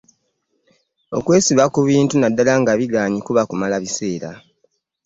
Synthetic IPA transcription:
o̞̰kwe̞ːsiβakuβiːntunadːalaŋɡaβiɡaːɲikuβakumalaβise̞ːɾa̰

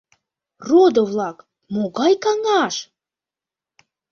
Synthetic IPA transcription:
rod̪əvlˠɑk | moɣɑjkɑŋɑʃ

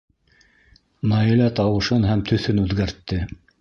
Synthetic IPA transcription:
mɑjɘ̆læt̪ɑwɤ̆ʃɤnɦæmt̪ʰɵ̆θɵnʉðɡæɾt̪ːɘ

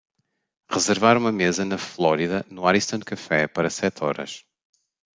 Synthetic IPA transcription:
ʁɨzɨɾvaɾumɐmezɐnɐflˠɔɾiðɐnuaɾiʃt̪ɐ̃ñd̪̚kɐfɛpɐɾɐsɛt̪ʰɔ̰ɾɐ̰ʃ

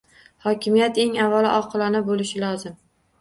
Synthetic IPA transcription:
hɒkʲʰɪmijat̪e̞ŋavːalɪ̰ʔɒqʰɨlˠɒnabolɪʃɪlɒzɪm

